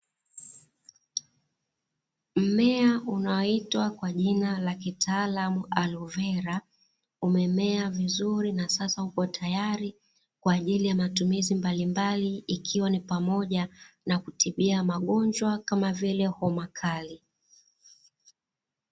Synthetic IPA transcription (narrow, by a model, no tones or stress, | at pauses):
m̩mɛaunaɔitwakwaʄinalakitʰaːlamualuvɛɾa | umɛmɛavizuɾinasasahukɔtʰajaɾi | kwaːʄilijamatumizimbalimbaliikʰiwanipamɔʄanakutiɓiamaɠɔnd͡ʒwakamavilɛhɔmakʰali